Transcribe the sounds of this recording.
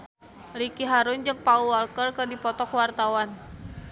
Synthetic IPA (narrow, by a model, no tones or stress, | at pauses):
rikiɦaɾʊnd͡ʒɨŋpaualkərkɨrdipɔt̪ɔkwart̪awan